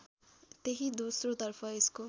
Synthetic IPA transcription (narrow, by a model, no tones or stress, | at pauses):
t̪eɦid̪usrot̪ʌrpʰʌesko